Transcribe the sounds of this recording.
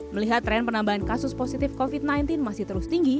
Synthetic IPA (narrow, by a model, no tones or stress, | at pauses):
məliɦat̪ːɾɛnpənambaɦankasʊsposit̪ɪfkofit̪̚najnt̪ɪnmasɪht̪əɾʊst̪iŋɡi